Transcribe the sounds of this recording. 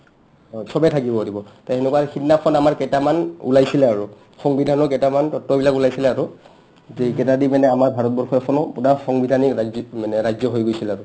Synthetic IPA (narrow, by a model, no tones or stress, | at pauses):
ɔsɔbɛtʰakibɔodibɔtaenɛkwaxinːapʰɔnamaɹkɛtamanṵlajsilɛaɹu | xɔŋbidʱanɔkɛtamantɔtːɔbilakulajsilɛaɹʊ | zekɛtadimanɛamaɹbʱaɹɔt̚bɔɹxɔɛpʰɔnɔpunaxɔŋbidʱaniamanɛɹajzjɔɦojɡojsilɛaɹʊ